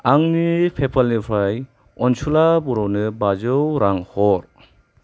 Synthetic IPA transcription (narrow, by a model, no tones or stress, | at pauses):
aŋnipʰepʰalnipʰɾaj | ɔnsulabuɾɔwnɯbazɯwɾaŋhɔɾ